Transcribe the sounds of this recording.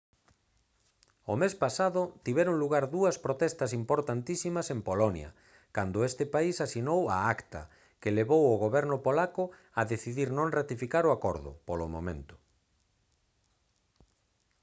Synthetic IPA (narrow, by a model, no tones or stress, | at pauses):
omespasaðʊt̪iβɛɾoŋluɣaɾðuɐspɾot̪ɛst̪ɐsimpoɾt̪ant̪isimɐsempolɔnjɐ̰ | kand̪ʊest̪ɪpaisasinowa̰akt̪ɐ̰ | kɪleβowʊɣoβɛɾnʊpolakʊ | ɐðeθiðiɾnõŋrat̪ifikaɾoakoɾðʊ̰polomo̰mḛ̃nt̪ʊ̥